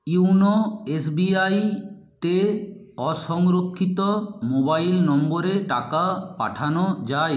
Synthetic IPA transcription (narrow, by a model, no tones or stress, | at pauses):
uwnoes̬biajt̪e | ɔʃɔŋɾokʰːit̪omobailnɔmboɾeʈakapa̰ʈʰanod͡ʑae